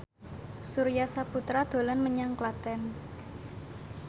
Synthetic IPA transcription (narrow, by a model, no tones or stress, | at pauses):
suɾijasaput̪ɾad̪̥o̤lɔnməɲaŋklat̪ɛn